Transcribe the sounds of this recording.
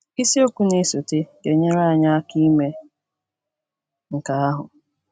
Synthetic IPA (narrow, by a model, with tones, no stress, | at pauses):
i˦si˦o˦kʷu˦ne˦so˨te˦ɡe˨ɲe˦ɾa˦˨ɲa˦a˦ki˦me˦ | ŋ̩˨ka˦a˦ɦʊ̰˨